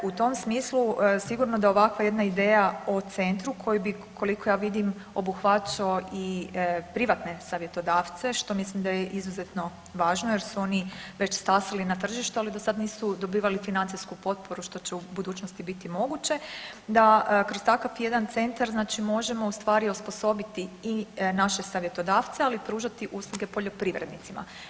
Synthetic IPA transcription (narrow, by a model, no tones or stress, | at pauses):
ut̪o̞msmiːslusiɡuɾno̞d̪ao̞ʋakʋaje̞d̪naid̪eːjaot̪se̞nt̪ɾukʰo̞jubi | kʰo̞liko̞jaːʋid̪im | o̞buxʋat͡ʃaoʔipɾiʋat̪ne̞saːʋjet̪o̞d̪aːʋt̪se̞ʃt̪o̞mislimd̪ajeʔizuze̞t̪no̞ | ʋaːʒnoje̞ɾsuo̞niʋet͡ɕspaːsalinat̪r̩ʒiʃt̪ualid̪osad̪niːsud̪o̞biːʋalifinant̪ijskupo̞t̪̚po̞ɾuʃt̪o̞t͡ɕeubud̪uːt͡ʃnost̪ibit̪imo̞ɡut͡ɕe̞d̪akɾo̞st̪akafje̞d̪ant̪se̞nt̪aɾznaːt͡ʃimo̞ʒe̞mo̞ust̪ʋaːɾiospo̞so̞bit̪iːnaʃe̞saʋje̞t̪o̞d̪aːʋt̪sealipɾuːʒat̪iʔuːslˠuɡe̞po̞ʎo̞pɾiːʋɾed̪nit̪sima̰